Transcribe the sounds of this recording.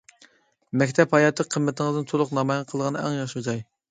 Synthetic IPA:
mɛkʲt̪ʰɛphɑjɑt̪ʰːəqʰəmːɪt̪ʰɪŋəzd̪ɨnt̪ʰolˠʊqnɑmɑjʁqʰəlˠəʁɑnɨɛ̰ŋjɑʃud͡ʒɑj

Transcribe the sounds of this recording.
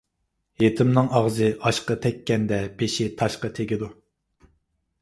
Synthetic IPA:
jet̪ʰɪmnɨŋɑʁzɨʔɑʃqɑt̪ʰɛkʲːɛnd̪ɛbeʃit̪ʰɑʃqɑt̪ʰeɡʲid̪u

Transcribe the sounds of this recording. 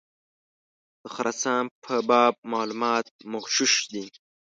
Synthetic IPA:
d̪̥əxɾat͡sɑ̃ːmpʰəbɑːb̚mɑːlumɑːt̪̚mʊɣʃuʃd̪i

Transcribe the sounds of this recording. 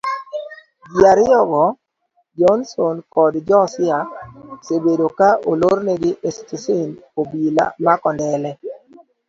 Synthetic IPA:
ɡjaɾɪjɔɡɔ | d͡ʒɔnsonkɔdd͡ʒɔsɪasebedokaʔoloɾnɛɡɪʔestisɪnpobila̰makɔndɛlɛ

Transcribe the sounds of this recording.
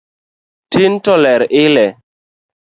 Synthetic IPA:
tintɔlɛɾilɛ

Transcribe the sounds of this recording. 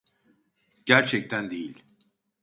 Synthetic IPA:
ɟ̥æɾt͡ʃʰɛc̚t̪ʰænd̪ejilʲ

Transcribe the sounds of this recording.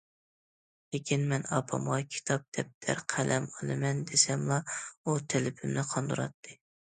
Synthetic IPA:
lɪkʲinmɛnɑpʰɑ̰mʁɑkʲʰi̥t̪ʰɑp̚d̪̥ɛp̚d̪ʰæ̰ɾqʰælʔɛmɑlˠɨmɛnd̪esɛmlˠɑut̪ʰɪlɪpʰɪmnɪqʰɑnd̪uɾɑ̰t̪ʰːɨ

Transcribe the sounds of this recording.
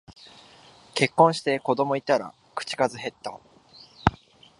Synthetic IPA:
ke̞kːõ̞ɰ̃ɕi̥t̪e̞ko̞d̪o̞mo̞it̪aɾa̰ | kɯ̟̥t͡ɕi̥kazɨɦe̞t̪ːa̰

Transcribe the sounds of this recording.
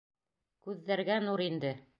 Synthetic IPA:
kʉðːæɾɡænuɾind̪ɘ

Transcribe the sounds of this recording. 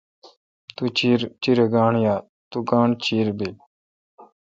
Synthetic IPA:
t̪ut͡ʃiɾt͡ʃiɾeɡaːɳjaː | t̪uɡaːɳt͡ʃʰiːɾbiː

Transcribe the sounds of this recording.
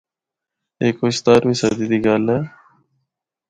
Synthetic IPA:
eːkʋʊʃt̪aːɾbiːsəd̪iːd̪iːɡalɛː

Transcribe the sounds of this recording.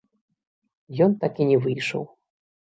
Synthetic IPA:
jɔnt̪akʲinʲɛvɨjʂɔ̰w

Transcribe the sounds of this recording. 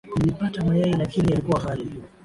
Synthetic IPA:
kulipatamajajilakinialikuwaɦali

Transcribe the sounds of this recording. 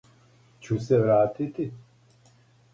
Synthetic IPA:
t͡ʃʰuseɾaːt̪ʰit̪i

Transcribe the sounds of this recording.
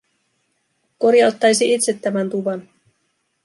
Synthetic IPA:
ko̞ɾjɑlt̪ːɑjsiit̪se̞t̪ːæmænt̪uʋɑn

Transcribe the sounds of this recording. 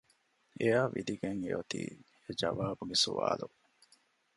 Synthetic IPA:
eaːʋid̪iɡeŋḛot̪ḭː | ed͡ʒɐʋaːbuɡesuʋa̰ːlu

